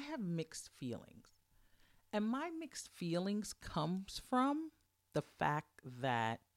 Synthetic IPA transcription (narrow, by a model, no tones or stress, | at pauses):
ɪɨvmɪkstfḭlˠɪ̰̃ŋz̥ | ɨ̃nmaɪmɪkstfilˠɪ̃ŋz̥kʰʌ̃mz̥fɹʌ̃m | ðəfæk̚tðɨt̚